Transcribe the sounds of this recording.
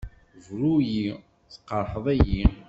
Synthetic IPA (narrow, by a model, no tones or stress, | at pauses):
vɾuji | θə̥qːəɾˤħəðˤæji